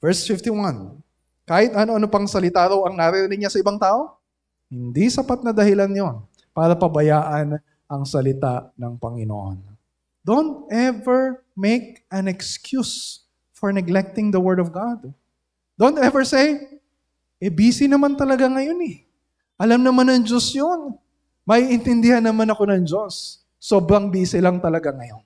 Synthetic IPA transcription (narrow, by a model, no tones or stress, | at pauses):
v̥ɛɹsfɪft̪iwɐ̃n | kaːhɪt̪ʔɐnoʔɐnopɐŋsɐlɪt̪aɾɐwɐŋnɐɾɛɾɪnɪɲɲasɐʔɪbɐŋt̪aːʔo̞ | hɪnd̪isɐpat̪̚nɐd̪ɐhɪlanjon | paːɾɐpɐbɐjaːʔɐn | ʔɐŋsɐlɪt̪anɐŋpɐŋɪno̰ʔo̰n | d̪̥ont̪̚ʔɛvɛɹmek̚ɐnɛkskjus | foɹnɛɡlɛk̚t̪ɪŋd̪ɐwɛɹd̪ɔvɡad̪ | d̪̥ont̪ɛvɛɹsej | ʔɛbiːsɪnɐmant̪ɐlɐɡaŋɐjo̞nɛ | ʔɐlamnɐmanɐŋd͡ʒosjon | mɐiʔɪnt̪ɪnd̪ɪhanːɐmanɐko̞nɐŋd͡ʒo̞sː | o̞ːbɾɐŋbiːsɪlɐŋt̪ɐlɐɡaŋɐjo̞n